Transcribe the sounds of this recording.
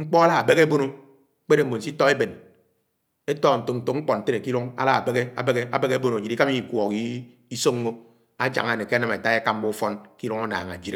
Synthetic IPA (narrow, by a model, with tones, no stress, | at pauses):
ŋ͡m̩˦k͡pɔ˦a˦la˦a˨be˦ɣe˦e˦bo˦no˦ | k͡pe˦de˨m̩˨bo˨n̩˨si˦tɔ˦e˦be˨n | e˦tɔ˦˨n̩˨to˨n̩˨to˨ŋ͡m̩˦k͡pɔ˨n̩˨te˦ne˨ki˦ɾo˦ŋa̰˦la˦a˨be˦ɣe˦a̰˨be˦ɣe˦a̰˨be˦ɣe˦bo˦no˨d͡ʒi˨ɾi˦ka˦mi˦˨kʷɔ˨ki˦ | i˦so˦ŋː˦o˦ | a˦d͡ʒa̰˨ŋ˨a˨ne˨ke˦a˦na˦me˨ta˦e˦ka˦m̩˦bo˦fɔ˦nki˦ɾo˦ŋo˦na̰ː˨ŋa˨d͡ʒi˦e˨˦